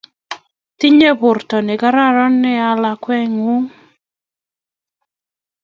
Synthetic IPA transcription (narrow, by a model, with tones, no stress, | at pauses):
t̪i˦ɲe˦bʊ˨rtɔ˨nɪ˨ɡa˦ɾa˦ɾɔ˦nːɪ˦a˦la˨kwɛ˦ŋʊ˦ŋ